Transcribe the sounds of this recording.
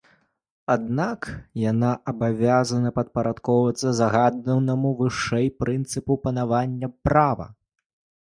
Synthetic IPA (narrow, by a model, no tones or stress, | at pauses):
ad̪nakjanaʔɐbavʲazɐnɐpɐt̪̚pɐɾat̪kɔwvɐt̪sːɐzaɣad̪nɐwnɐmuvɨʂɛjpɾɨnt̪sɨpupɐnavanʲːɐpɾavɐ̰